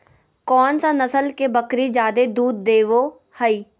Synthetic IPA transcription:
kɔːnsanəsəlkebəkɾid͡ʒjaːd̪ed̪uːd̪̚ːeːʋo | həiː

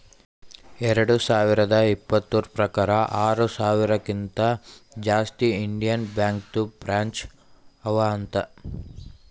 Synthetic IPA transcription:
ɛɾɐɽusaːʋiɾɐd̪ɐipːɐt̪ːuːɾpɾɐkaːɾɐʔaːɾusaːʋiɾɐkint̪ɐd͡ʒaːst̪iiɳɖijɐnbjaːŋk̚t̪ubɾaːɲt͡ʃ | ɐʋɐːnt̪ɐ

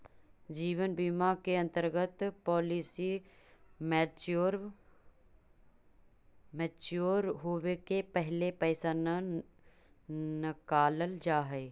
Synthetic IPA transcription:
d͡ʒiːwənbimakeɐ̃nt̪əɾɡət̪pɔːlisi | moɾ | mɛːt͡ʃjoːɾɦowekepɛɦlepɛːsan | nəkaːləld͡ʒaːɦɛː

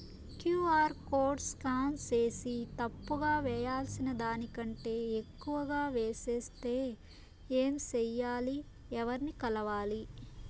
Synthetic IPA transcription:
kjuːaːɾkoːɾɖskaːmt͡ʃeːsit̪ɐpːuɡaːʋɛːjaːlsinɐd̪aːnikɐɳʈe̞ːekːuʋɐɡaːʋeːseːst̪e̞ː | eːmt͡ʃɛjːaːli | ɛʋɐɾnikɐlɐʋaːli

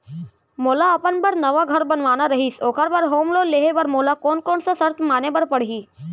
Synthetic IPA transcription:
moːlaɐpənbəɾnɐʋaɡʱɐɾbɐnʋaːnaɾɐɦiːsoːkʰəɾbəɾɦoːmloːleːɦebɐɾmoːlakoːnkoːnsasɐɾt̪ʰmaːnebɐɾpɐɽɦiː

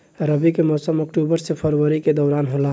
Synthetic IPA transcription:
ɾəbikemɔsəmɔkʈubəɾsepʰəɾwəɾiked̪ɔʊɾanɦola

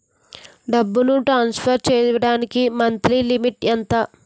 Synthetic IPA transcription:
ɖɐbːunuʈɾaːnspʰɐɾt͡ʃɛːɐɽaːnikimɐnt̪ɾilimiʈɐnt̪ɐ

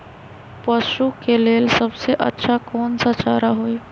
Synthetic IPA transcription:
pəʃukeleːlsɐbseʔɐ̰tːʃʰakɔːnsat͡ʃaːɾaɦoːiː

